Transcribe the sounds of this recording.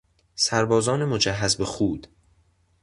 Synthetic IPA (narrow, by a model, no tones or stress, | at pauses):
sæɾbɒːzɒːnemod͡ʒæɦːæzbexuːd̪̥